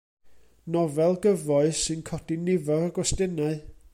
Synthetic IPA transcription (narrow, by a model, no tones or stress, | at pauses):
nɔvɛlˠɡəvɔɨsɨnkʰɔd̥inɪvɔɾəɡwɔsdɪnaɨ